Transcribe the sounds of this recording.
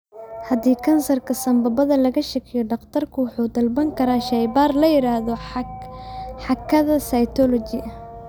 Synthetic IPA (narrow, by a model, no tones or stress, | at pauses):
hɐd̪iːkʰɐnsɐrkʰɐsɐmbɐbɐðɐlɐɣɐʃɐkʰɛjɔɖɑqt̪ʰɐrkʰʊwʊħuːd̪ɐlbɐŋkʰɐɾaːʃɐjbaːrlɐjɪɾaːhðɔ | ħɑkʰːɐðɐsajt̪ʰɔlɔt͡ʃɪʔɐ